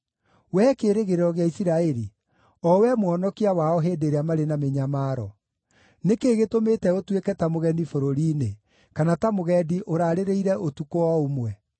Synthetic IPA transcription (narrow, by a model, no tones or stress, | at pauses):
wɛkeːɾeɣeɾeɾɔɣeaisiɾaɛɾi | ɔwɛmwɔnɔkiawaɔɦedeɾeamaɾenameɲamaːɾɔ̰ | nekeːɣetometɛotwekɛtamoɣɛndifoɾoɾiːne | kanatamoɣɛdiʔoɾaːɾeɾeiɾɛʔotukoɔomwɛ